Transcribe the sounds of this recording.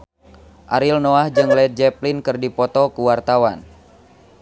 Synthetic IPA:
ʔaɾilnɔahd͡ʒɨŋlɛt̪̚d͡ʒɛplinkɨrdipɔt̪ɔkuwart̪awan

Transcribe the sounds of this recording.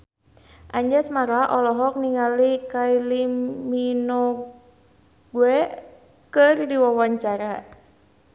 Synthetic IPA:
ʔaɲd͡ʒasmaɾaʔɔlɔɦɔk̚niŋalikailimminɔ | ɡuɛ | kɨrdiwawaɲt͡ʃaɾa

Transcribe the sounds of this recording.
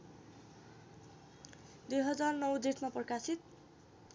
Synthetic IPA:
d̪ujɦʌd͡zarnʌwd̪it̪ʰmaprkasit̪̚

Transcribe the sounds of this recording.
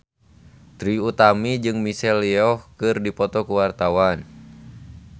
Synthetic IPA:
t̪ɾiut̪amid͡ʒɨŋmisɛliɔhkɨrdipɔt̪ɔkuwart̪awan

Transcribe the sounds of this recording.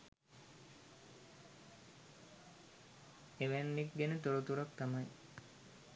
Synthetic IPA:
eʋænːik̚ɡenət̪oɾut̪uɾak̚t̪amaj

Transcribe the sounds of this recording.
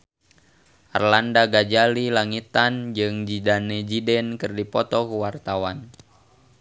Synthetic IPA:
ʔa̰rlandaɡad͡ʒalilaŋit̪and͡ʒɨŋd͡ʒidanɛd͡ʒidɛnkɨrdipɔt̪ɔkuwart̪awan

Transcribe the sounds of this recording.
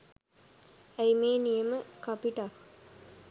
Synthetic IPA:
æjmeːnijəməkapiʈa

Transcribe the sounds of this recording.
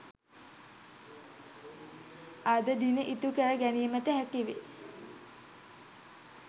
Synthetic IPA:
ad̪əd̪inəʔit̪ukəɾəɡænijəmətəɦækiʋḛ

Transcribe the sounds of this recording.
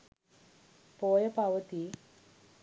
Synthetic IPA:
poːjɐpɐʋɐt̪i

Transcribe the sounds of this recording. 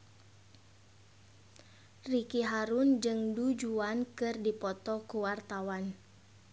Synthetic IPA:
rikiɦaɾund͡ʒɨŋdud͡ʒuankɨrdipɔt̪ɔkuwart̪awan

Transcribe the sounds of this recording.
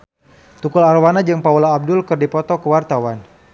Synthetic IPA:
t̪ukʊlarwanad͡ʒɨŋpaulaːb̚dʊlkɨrdipɔt̪ɔkəwart̪awan

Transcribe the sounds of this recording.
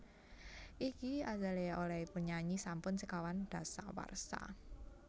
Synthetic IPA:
ʔikiazaleolɛipuɲaɲisampʊnsəkawand̥a̤sa̰wa̰rsa̰

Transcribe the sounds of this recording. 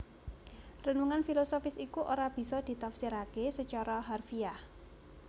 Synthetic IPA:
rənuŋanfilosofɪsikuʔoɾab̥i̤sɔd̪̥i̤t̪apsiɾakesət͡ʃɔɾɔɦarfiah

